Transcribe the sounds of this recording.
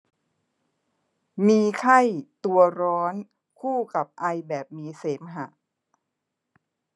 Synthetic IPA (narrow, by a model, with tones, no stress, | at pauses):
miː˧kʰa˥˩jt̪u˧ɐɾɔː˦˥n | kʰuː˥˩ka˨˩p̚ʔa˧jbɛː˨˩p̚miː˧seː˩˦mɦa˨˩ʔ